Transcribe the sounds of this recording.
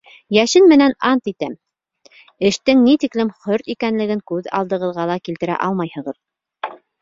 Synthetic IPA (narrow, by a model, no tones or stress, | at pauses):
jæʃɘnmɘ̆nænɑnt̪it̪æm | ɘ̆ʃt̪ɘŋnit̪iklɘmχɵɾt̪ikænlɘ̆ɡɘŋkʉðɑ̰lˠd̪ɤ̆ʁɤ̆ðʁɑlˠɑkilt̪ɘ̆ɾæ̰ʔɑlˠmɑjhɤ̆ʁɤð